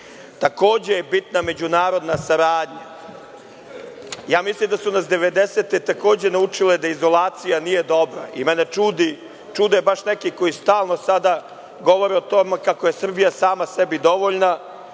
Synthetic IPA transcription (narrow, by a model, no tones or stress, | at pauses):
t̪ako̞ːd͡ʑejebit̪name̞d͡ʑunaːɾo̞d̪nasaɾaːd̪ɲa | jaːmislimd̪asunasd̪e̞ʋe̞d̪eset̪e̞t̪ako̞ːd͡ʑe̞naut͡ʃiled̪aizo̞laːt̪sijanije̞d̪o̞bɾa̰ʔimɛne̞t͡ʃuːd̪i | t͡ʃuːd̪ojebaʃnekiko̞jist̪aːlˠno̞sad̪a | ɡo̞ʋo̞ɾeot̪o̞mekako̞je̞sr̩bijasaːmasebid̪o̞ʋo̞ʎna